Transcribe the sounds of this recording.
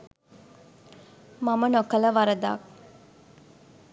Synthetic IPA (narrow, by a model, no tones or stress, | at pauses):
mamənokələʋaɾəd̪a̰k̚